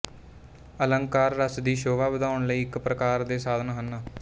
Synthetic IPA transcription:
ələŋkaːɾːəsd̪iːʃoːʋaːbəd̪aːʊɳləiːɪkpɾəkaːɾd̪eːsaːd̪ənɦənaː

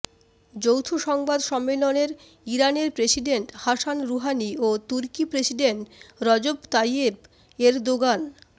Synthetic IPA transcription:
d͡ʑowt̪ʰuʃɔŋbad̪ʃɔmːeloneɾ | iɾaneɾpɾesiɖeɳʈhaʃanɾuɦaniot̪uɾkipɾesiɖeɳʈɾɔd͡ʑobt̪ajeb | eɾd̪oɡan

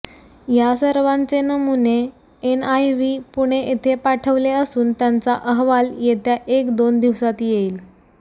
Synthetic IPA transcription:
jasəɾʋãnt͡senəmune | enajʋiːpuɽ̃eʔet̪ʰepaʈʰəʋleəsuːnt̪jant͡saʔəɦʋaljet̪jaʔekd̪ond̪iʋsat̪iːjeiːl

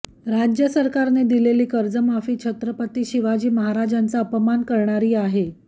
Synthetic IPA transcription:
ɾad͡ʑjəsəɾkaɾned̪ileliːkəɾd͡zəmafiːt͡ɕʰət̪ɾəpət̪iːɕiʋad͡ʑiːməɦaɾad͡ʑant͡saəpəmankəɾɳaɾiːaɦe

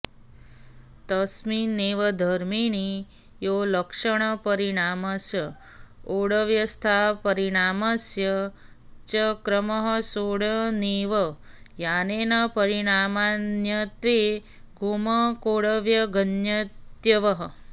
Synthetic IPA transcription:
t̪əsminːeʋəd̪ʱəɾmiɳ̃i | joləkʂəɽ̃əpəɾiɽaməsjə | oɽəʋjəst̪ʰapəɾiɽ̃aməsjə | t͡ʃəkɾəməɦəsoɽəneʋə | janenɐpəɾiɽ̃amanjət̪ʋe | ɡʱuməkoɽəʋjəɡənjət̪jəʋəɦə

